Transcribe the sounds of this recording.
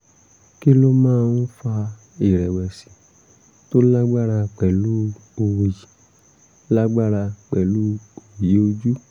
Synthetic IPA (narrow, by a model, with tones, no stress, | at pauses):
ki˦lo˦mãː˦˧n̩˦fa˧ | i˨ɾɛ˨wɛ˨si˨ | to˦la˦ɡ͡ba˦ɾa˧k͡pɛ˨lu˦o˧wo˨ji˨ | la˦ɡ͡ba˦ɾa˧k͡pɛ˨lu˦o˨wje˨˦o˧d͡ʒu˦